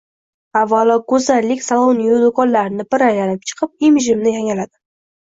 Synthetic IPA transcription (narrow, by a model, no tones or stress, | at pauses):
avːalɒɡɵzalːɪkʲsalˠownijud̪ʊkʰɒnlaɾɪnɪbɪɾajlanɪp̚t͡ʃʰɨ̥qʰɨp̚imɪʒɪmnɪjaŋalad̪ɪ